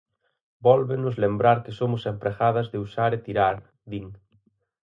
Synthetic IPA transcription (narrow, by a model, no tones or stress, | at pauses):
bɔlβenʊzlembɾaɾkesomʊsempɾeɣað̞azðeusaɾet̪iɾaɾ | ðiŋ